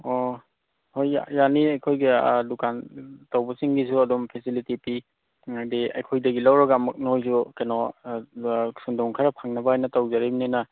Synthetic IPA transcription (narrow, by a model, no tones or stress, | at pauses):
ɔ | hoja̰janiajkʰojɡidukantawbasiŋɡisuadɔmpʰesilitipi | ŋadia̰jkʰojdɐɡilawɾaɡamɯk̚nahojsukenɔ | sundɔŋkʰaɾapʰaŋnabaajnatawzaɾimnana